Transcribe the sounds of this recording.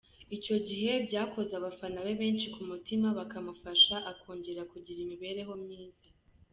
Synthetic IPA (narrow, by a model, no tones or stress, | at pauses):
ico̞ɟiɦe̞bɟaːko̞zaβafanaβe̞βe̞ːnt͡ʃikumutimaβakamufaʃaʔakʰoːɲɟeɾakuɟiɾimiβe̞ːɾe̞ɦo̞mɲiːza